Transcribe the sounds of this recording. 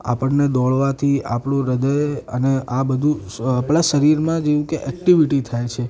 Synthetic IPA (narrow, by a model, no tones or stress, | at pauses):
a̰pəɳned̪ɔɭʋat̪ʰia̰pɽũɾəd̪əjəneʔabəd̪ʱũ | apɭaʃəɾiɾmãd͡ʒeʋũkeʔɛkʈiʋiʈit̪ʰajt͡ʃʰe